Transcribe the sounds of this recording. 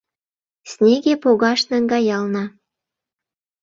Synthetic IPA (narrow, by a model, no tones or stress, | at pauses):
snʲeɣepoɣɑʃnæŋɡɑjɑlnɑ